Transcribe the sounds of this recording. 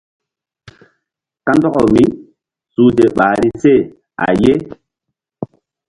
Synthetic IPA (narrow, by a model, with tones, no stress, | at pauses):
ka˦ndɔ˦kɔ˨mi˦ | su˦te˨ɓa˨ɾi˦se˦˨ | a̰˨je˦